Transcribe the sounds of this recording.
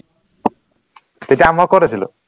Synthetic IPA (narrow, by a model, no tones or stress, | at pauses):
t̪etiamakoɾet͡ɕʰilo̰